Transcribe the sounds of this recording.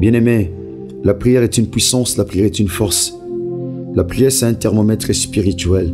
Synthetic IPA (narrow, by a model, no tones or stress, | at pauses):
bjɛ̃neme | lapχijɛʁɛt̪ynpɥisɑ̃slapχijɛʁɛt̪ynfɔʁs | lapχijɛsɛɛ̃t̪ɛʁmɔmɛt̪χespiʁit̪ɥɛl